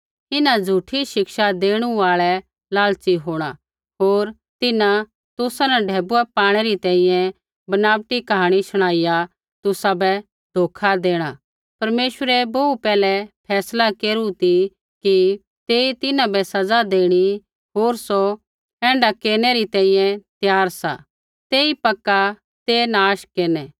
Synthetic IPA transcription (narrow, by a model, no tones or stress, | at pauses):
ɪnad͡zʱuʈʰiʃɪkʃad̪eːɽ̃ũaːɭɛ | laːlt͡ʃiɦoːɽ̃a | ɦoːɾ | t̪ɪnã | t̪ʊsanɛɖʱɛːbuɛpaːɽ̃ɛɾit̪ɛ̃ːĩjɛ̃ | bɐnaːʋt̪ikɐɦaːɽ̃iʃɐɽ̃aːɪja | t̪ʊsabɛ | d̪̥ʱoːkʰad̪eːɽ̃a | pɐɾmeːʃwəɾɛboːupɛːlɛpʰɛːslakeːɾut̪i | ki | t̪eːit̪ɪnãbɛsɐd͡zad̪eːɽ̃i | ɦoːɾso | ɛ̃ːɳɖakeːñɛɾit̪ɛ̃ːĩjɛ̃t̪jaːɾsa̰ | t̪eːipɐkːa | t̪eːnaːʃkeːnɛː